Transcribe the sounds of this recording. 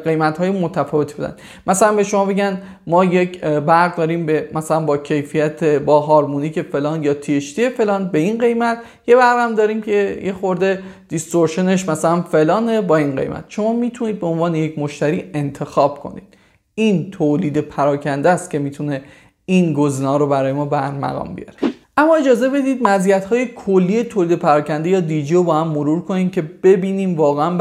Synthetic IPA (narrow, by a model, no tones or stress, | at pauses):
ɡe̞jmæt̪hɒːjemot̪ʰæfɒːve̞t̪ʰib̥ed̪æ̰n | mæsælænbe̞ʃo̞mɒːbeɟæn | mɒːje̞cbæɾɣd̪ɒːɾiːmbemæsælænbɒːcʰe̞jfijæt̪ʰebɒːɦɒːɾmuniːcʰe̞fe̞lɒːnjɒːt̪ʰieʃt̪ie̞fe̞lɒːnbe̞inɢe̞jmæt̪ʰ | je̞bæɾɣæmd̪ɒːɾiːmcʰe̞jexo̞ɾd̪e̞d̪̥ist̪oɾʃeneʃmæsælænfe̞lɒːne̞bɒːinɢḛjmʔæ̰t̪ʃo̞mɒːmiːt̪ʰuniːd̪̚beonvɒːneje̞cʰmoʃt̪æɾiːe̞nt̪ʰe̞xɒːb̥̚kʰo̞̰nḭːd̪̥ | iːnt̪ʰoliːd̪epʰæɾɒːcʰænd̪æst̪cʰe̞miːt̪ʰune̞ | iːnɡozinɒːɾobæɾɒːje̞mɒːbæɾmæ̰ɣɒ̰ːmbḭjɒ̰ɾeʔæmːɒːe̞d͡ʒɒːze̞be̞d̪iːd̪̚mæzijæt̪hɒːje̞kʰolːiːjet̪ʰoːliːd̪e̞pʰæɾɒːcʰænd̪ejɒːd̪id͡ʒiobɒːhæmːoɾuːɾkʰo̞niːmcʰe̞b̥e̞biːniːmvɒːɣeæm